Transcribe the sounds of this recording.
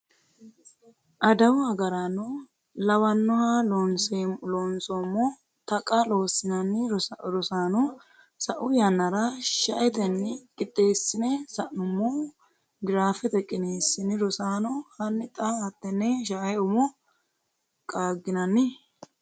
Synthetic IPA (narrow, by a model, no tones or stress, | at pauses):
ʔɐd̪ɐwʊhɐɡɐɾano | lɐwɐnːɔhalonseloːnsomːɔ | t̪ɐkʼɐloːsɪnɐnːɪɾɔsaːnɔ | sɐʔʊjɐnːɐɾɐʃɐʔɛt̪ɛnːɪkʼɪt̪ʼːe̞ːsːɪnɛsɐʔnʊmːoː | ɡɪɾaːfɪt̪ɛkʼːɪneːsːɪnɪɾɔsaːnɔhɐnːɪt̪ʼɐɐt̪ːɛnːɛʃaʔɐʊmɔ | kʼaːɡɪnɐnːɪ